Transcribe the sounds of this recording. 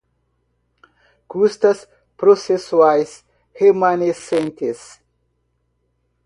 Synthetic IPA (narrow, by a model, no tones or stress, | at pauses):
kust̪ɐs | pɾosesuajs | hemanesẽnt̪es